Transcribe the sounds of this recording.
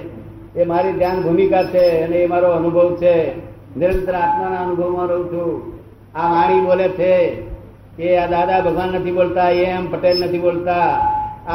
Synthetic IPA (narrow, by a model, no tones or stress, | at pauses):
emaɾid̪ʱjanbʱumikat͡ʃʰeəneːmaɾoənʊbʱəʋt͡ʃʰe | nɪɾənt̪ɾəat̪manaənʊbʱəʋmãɾəɦũt͡ʃʰũ | amaɽ̃ibolet͡ʃʰe | kead̪ad̪abʱəɡʋanːət̪ʰibolt̪aeəmpəʈelnət̪ʰibolt̪a